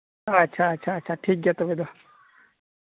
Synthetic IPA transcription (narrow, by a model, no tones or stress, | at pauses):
aətːɕʰaːtːɕʰaːtːt͡ʃʰaʈʰiːk̚ɡɛt̪oʋed̪o